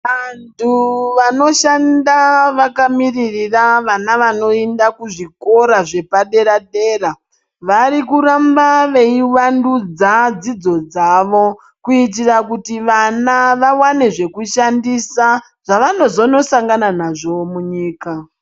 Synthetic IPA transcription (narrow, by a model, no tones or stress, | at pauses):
ʋantʰuʋano̞ʃandaʋakamiririraʋanaʋano̞endakuʐiko̞ɾaʐe̞paɗe̞ɾaɗe̞ːra | ʋaɾikuɾambaʋe̞iwandud͡zad͡zid͡zo̞d͡zaʋo̞ | kuit̬irakutiʋanaʋawane̞ʐe̞kuʃandisa | ʐ̥aʋano̞zo̞no̞saŋɡananaʐo̞muɲiːka